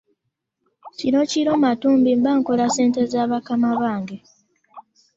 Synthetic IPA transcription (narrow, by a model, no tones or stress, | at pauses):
cino̞ciɾo̞ːmatuːmbimbaŋko̞lase̞ːnte̞zaːβakamaβaːŋɡe̞